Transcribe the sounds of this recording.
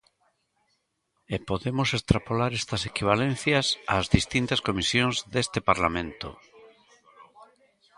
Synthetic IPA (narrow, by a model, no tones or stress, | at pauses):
epoðemosest̪ɾapolaɾest̪ɐsekiβ̞alẽnθjɐsaːzðist̪int̪askomisjõŋzðest̪epaɾlamẽnt̪o̰